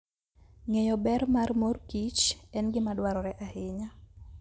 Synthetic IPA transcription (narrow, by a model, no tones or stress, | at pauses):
ŋejɔbɛɾmarmorkit͡ʃɛnɡɪmadwaɾɔɾɛʔahɪɲa